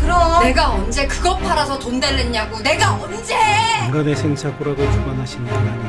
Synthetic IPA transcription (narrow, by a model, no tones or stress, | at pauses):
kɯɾʌne̞ɡaʌnd͡ʑe̞kɯɡʌpʰaɾasʰʌtomdeɭːeɲːaɡone̞ɡaʌnd͡ʑeŋɡabesʰeŋsʰapuɾaɡokuɡʌnɦaɕʰinda